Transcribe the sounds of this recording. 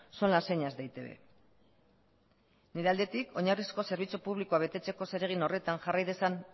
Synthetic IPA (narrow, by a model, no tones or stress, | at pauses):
so̞nlase̞ɲazd̪ejt̪e̞βḛ | niɾe̞ald̪e̞t̪ikʰo̞ɲarisko̞se̞ɾβ̞it͡supuβlikoaβe̞t̪e̞t͡se̞ko̞se̞ɾe̞ɣ̞ino̞re̞t̪anʝarajðe̞san